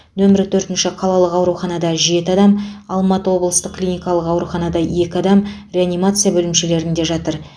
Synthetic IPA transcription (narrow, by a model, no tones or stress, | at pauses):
nɵmɪɾɪt̪ʰɵɾt̪ɪnʃɪqʰɑlˠɑlˠəqɑwɾuχɑnɑd̪ɑʒe̞t̪ɪɑd̪ɑmɑlˠmɑt̪əwo̞blˠəst̪əqkʰːlʲijnʲijkɑlˠəqɑwɾuχɑnɑd̪ɑje̞kʲɪɑd̪ɑm | rʲe̞anijmat̪sɨjabɵlɪmʃe̞le̞ɾɪnd̪e̞ʒɑt̪əɾ